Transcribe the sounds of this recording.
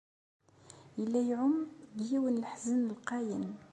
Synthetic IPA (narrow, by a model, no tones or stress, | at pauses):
jəlːæjʕʊmːd̪jiwənlħzənəlqɑjən